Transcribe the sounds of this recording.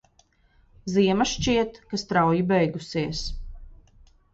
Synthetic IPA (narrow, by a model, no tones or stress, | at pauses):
ziɛmaʃt͡ʃiɛt̪kast̪ɾawjibɛjɡusiɛs